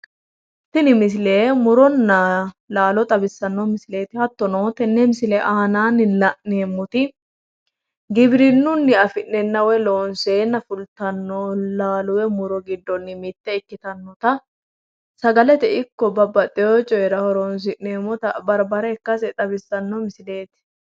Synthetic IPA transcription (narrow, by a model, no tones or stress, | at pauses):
t̪ːɪnɪmɪs̬ɪleːmʊɾɔnːɐlaːlɔt̪ʼɐbɪsːɐnːɔmɪsɪle̞ːt̪ɪhɐt̪ːɔnoːt̪ɛnːɛmɪsɪlɛʔaːnaːnɪlɐʔneːmːɔt̪ɪ | ɡɪbɾɪnːʊnːɪɐfɪʔnɛnːɐwɛloːnseːnːɐfʊlt̪ɐnːolaːlʊwɛmʊɾɔɡɪd̪ːɔnːɪmɪt̪ːɛɪkːɪt̪ɐnːɔt̪ɐ | sɐɡɐlɛt̪ɛɪkːɔbɐbɐt̪ʼːɪjot͡ʃʼɔɛɾɐhɔɾɔns̬ɪʔneːmːɔt̪ɐbɐɾbɐɾɛːkːɐs̬ɛt̪ʼɐbɪsːɐnːɔmɪsɪle̞ːt̪ɪ̥